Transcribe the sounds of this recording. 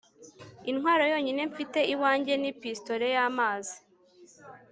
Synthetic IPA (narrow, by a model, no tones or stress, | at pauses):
inhwaːɾo̞jo̞ːɲine̞ɱfite̞iwaːɲɟe̞nipistoɾe̞jaːmaːzi